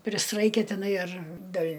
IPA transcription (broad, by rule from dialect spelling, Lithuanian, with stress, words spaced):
pʲrʲɪsˈrɐɪkʲɛ tʲɪˈnɐɪ ɐr dʲeːlʲ